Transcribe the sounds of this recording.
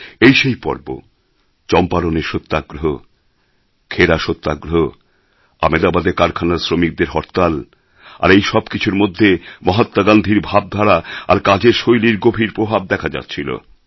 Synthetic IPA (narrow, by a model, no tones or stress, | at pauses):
ejʃejpɔ̰ɾbo̰ | t͡ɕɔmpaɾoneɾʃot̪ːaɡɾoɦo | kʰeɾaʃot̪ːaɡɾoɦo | a̰med̪abad̪ekaɾkʰanaɾsɾomik̚d̪eɾɦɔɾt̪al | a̰ɾejʃɔbkit͡ɕʰuɾmod̪ʱːemɔɦat̪ːaɡand̪ʱiɾbʱab̚d̪ʱaɾaa̰ɾkad͡ʑeɾʃojliɾɡobʱiɾpɾobʱab̚d̪ɛkʰad͡ʑa̰t̪ːɕʰilo̰